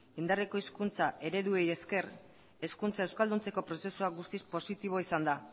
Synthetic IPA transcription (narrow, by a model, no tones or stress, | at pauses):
ind̪areko̞iskunt͡saʔe̞ɾe̞ðue̞je̞ske̞r | e̞skunt͡saewskald̪unt͡se̞ko̞pɾo̞se̞suaɡust̪ispo̞sit̪iβ̞o̞isand̪a